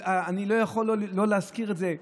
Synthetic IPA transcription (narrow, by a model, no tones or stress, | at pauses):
aːnilo̞jaχo̞llo̞leaskiʁetze